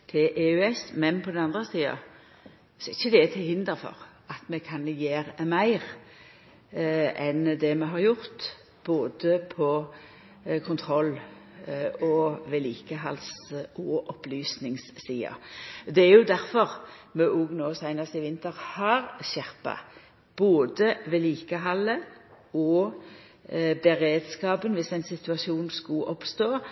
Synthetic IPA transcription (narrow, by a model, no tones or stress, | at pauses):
t̪ʰɪlʔeʉɛsmɛnpʰɔd̪ɛnɑnd̪ʁəsiːɑ̰ | sɔɪçːəd̪ɛɛt̪ʰɪlhɪnd̪əɾfɔ̰ʁ | ɑt̪mɛkʰɑnjeːʁmæɪʁ | ʔɛnd̪ɛmɛɦɑʁjʊɾt̪ | b̥oːd̪əpʰɔ | kʰʊnt̪ʰʁɔlː | ɔʋeːliːkəɦɑlsɔʔɔplyːsnɪŋsːiːɑ̰d̪ɛæɾjʊd̪æʁfɔʁmɛʔuɡnoːsæɪnɑst̪ɪʋɪnt̪əʁhɑʁɕæʁpɑ̰ | b̥oːd̪əʋeːliːkəɦɑlːə | ɔ | bɛʁeːd̪skɑːpənʋɪsæɪnsɪt̪ʉɑsuːnskʊʔɔpst̪oː